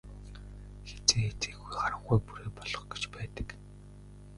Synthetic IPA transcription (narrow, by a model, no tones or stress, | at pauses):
xet͡seːxet͡seːɣujχaɾə̆ɴχujpuɾeːpɔɮɞ̆χɡe̥t͡ɕpæːt̪ə̥̆k